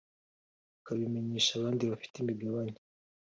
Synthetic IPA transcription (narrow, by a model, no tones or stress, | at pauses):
kaβimeɲeːʃaːβaːndiβafi̥timibjaːβaːɲi